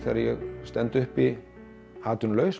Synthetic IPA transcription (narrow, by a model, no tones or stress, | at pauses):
θɛ̰ːɾajɛ̰ɣst̪ɛnt̪ʏhpi | haːt̪ʏnlœːɥs